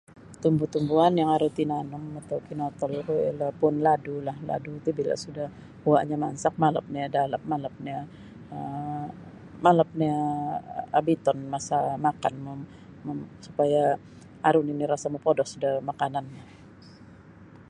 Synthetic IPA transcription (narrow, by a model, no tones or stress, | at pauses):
t̪umbut̪umbuanjaŋaɾut̪inanʊmat̪awkinɔt̪ɔlkua̰lahpʊnladulahla̰dut̪ubila̰ʔsudah | hua̰ʔɲamansak̚maləp̚niadaləp̚maləp̚nia | ə | maləp̚nia | abit̪ɔnmasamakanmʊm | msupaja | aɾʊniniɾasaməpodɔhsudahmakananːa